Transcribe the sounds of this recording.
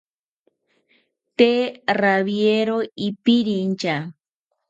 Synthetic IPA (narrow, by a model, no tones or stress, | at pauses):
t̪eraβjeɾoipiɾint͡ʃa